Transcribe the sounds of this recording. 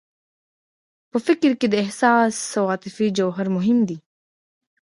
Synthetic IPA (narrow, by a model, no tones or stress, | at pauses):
pəfɪkɾkid̪əɪhsaːsːɐwaːt̪ɪfid͡ʒɐwɦɐɾmʊɦɪmd̪iː